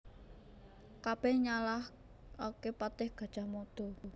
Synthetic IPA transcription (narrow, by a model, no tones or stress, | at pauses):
kab̥ɛhɲalah | okepat̪ɪhɡ̥a̤d̥ʒ̥a̤mod̪̥o̤